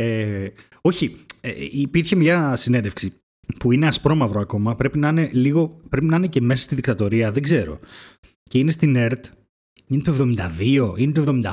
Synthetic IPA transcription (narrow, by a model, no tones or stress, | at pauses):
e | o̞çiḛipiɾçe̞mɲɐsinend̪efksi | puine̞ɐspɾo̞mɐvɾo̞ɐko̞mɐpɾe̞pinɐine̞liɣo̞pɾe̞pinɐinece̞me̞sɐ̥st̪iðikt̪ɐt̪o̞ɾiɐðeɡze̞ɾo̞̰ | ce̞ine̞st̪ine̞ɾt̪ | inet̪ue̞vðo̞mind̪ɐðio̞inet̪uoevðo̞mind̪ɐ